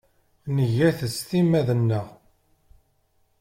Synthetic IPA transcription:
nəʝæθəst̪imæðənːəʁ

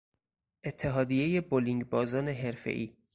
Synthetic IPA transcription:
ʔe̞t̪ʰːe̞ɦɒːd̪ijeje̞boliŋɡbɒːzɒːne̞ɦe̞ɾfḛʔiː

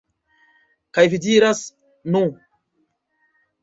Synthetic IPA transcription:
kajvidiɾas | nũ

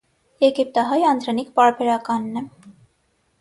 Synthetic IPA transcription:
jɛɡip̚t̪ɑɦɑjɑnd̪ɾɑnikpɑɾbɛɾɑkɑnːɛ

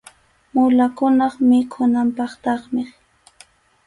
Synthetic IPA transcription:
mʊlakʊnɑχmɪkʰʊnampɑχt̪ɑχmɪ

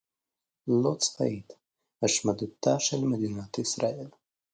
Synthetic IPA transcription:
lot͡sfa̰it̪ | haʃmad̪ut̪aʃelmed̪inat̪isɾael

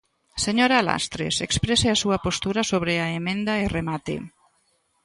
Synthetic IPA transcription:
seɲoɾala̰st̪ɾḛsekspɾeseasuɐpost̪uɾasoβ̞ɾeaemẽnd̪aeremat̪ḛ

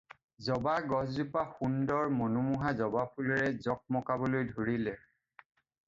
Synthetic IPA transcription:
zɔbaɡɔzupaxundɔɹmonumuɦazɔbapʰulɔɹɛzɔk̚mɔkabɔlojdʱoɹilɛ

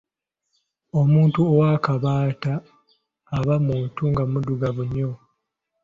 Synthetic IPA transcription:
omuːntuowaːkaβaːtaː | βamutuŋɡamuduɡavuɲːo

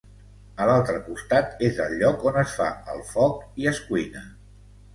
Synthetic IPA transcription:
əlalˠt̪ɾəkust̪at̪ezəlʎːɔkonəsfa̰ə̰lˠfɔk̚iəskwijnə

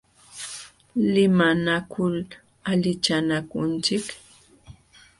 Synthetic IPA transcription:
lɪmanakʊl | aʎɪt͡ʃanakʊnt͡ʃɪk

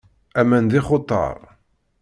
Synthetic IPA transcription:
æmænd̪ɪχot̪ˤːɑ̰ɾˤ

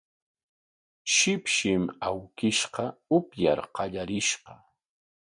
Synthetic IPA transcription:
ʃɪpʃɪmawkɪʃqɑʊpja̰ɾqɑʎaɾɪʃqɑ

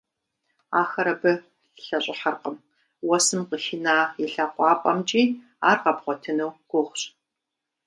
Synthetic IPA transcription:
aːxɐɾɐbɨ | ɬɐɕʼɪħarqəm | wɔsɨmqəxɪnaːjɪɬaqʷʼɑːpʼɐmt͡ʃʼiː | aːrʁɐbʁʷɔtʰɨnɐwɡʷʊχʷɕʼ

